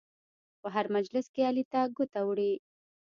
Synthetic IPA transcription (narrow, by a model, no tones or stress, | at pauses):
pəɦaɾmad͡ʒlɪskealit̪aɡʊt̪awɽi